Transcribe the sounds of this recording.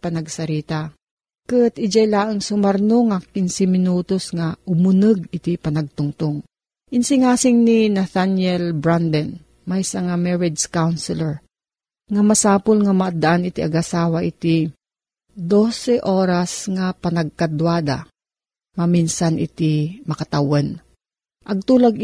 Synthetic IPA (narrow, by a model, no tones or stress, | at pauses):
pɐnɐɡsɐɾiːt̪a | kɨt̪ɪd͡ʒajlaːʔɨŋsʊmɐɾnoŋakinsɪmɪnuːt̪osŋaʔʊmʊnɨɡ̚ɪt̪ipɐnɐɡ̚t̪ʊŋt̪oŋ | ʔɪnsɪŋaːsɪŋninaθanjɛlbɹand̪ɛn | majsɐŋamɛɹɪd͡ʒd͡ʒkawnsɪlɛɹ | ŋɐmɐsaːpolŋɐmɐʔad̪aʔanɪt̪iʔɐɡɐsaːwaʔɪt̪i | d̪osɛʔoːɾasŋapɐnɐɡ̚kɐd̪waːd̪a̰ | mɐminsanʔɪ̰t̪imɐkɐt̪awan | ʔɐɡ̚t̪uːlaɡ